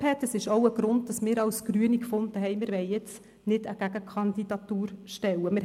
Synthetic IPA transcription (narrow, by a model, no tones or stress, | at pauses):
hɛt̪əsɪʃoʊəɡ̥ɾʊnd̚d̥ɑsmɪːɾɑwsɡ̥ɾyənikfʊndəɦɛɪmɪːɾʋɛɪjɪt͡s | nɪdəɡ̥æɡəkʰɑndidɑt̪uːɾʃtɛwəmɪɾ